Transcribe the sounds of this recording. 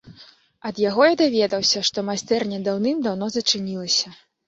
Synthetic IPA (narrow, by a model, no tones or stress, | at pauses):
ɐd̪jaɣɔjad̪avʲɛd̪ɐwsʲɐʂt̪ɔmajst̪ɛrnʲɛd̪awnɨmd̪awn̪ɔzɐt͡ʂɨnʲilˠɐsʲɐ